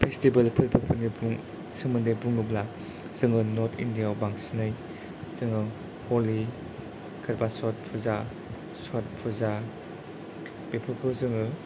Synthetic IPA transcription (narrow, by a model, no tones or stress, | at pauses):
pʰestibɐlpʰɯɾpʰɯɾpʰɯɾnibuŋ | sɯŋmɯndɯbuŋnubla | z̥ɯŋɯnɔɾtʰḭndijawbaŋsinɯj | z̥ɯŋɯ | hɔli | kʰɯɾbasɔt̚pʰuza | sɔt̚pʰuza | bepʰɯɾpʰɯzɯŋɯ